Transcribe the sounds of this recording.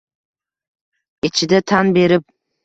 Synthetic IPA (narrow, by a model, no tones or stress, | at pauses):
ɪt͡ʃʰɪd̪at̪ʰanbe̞ɾɪp̚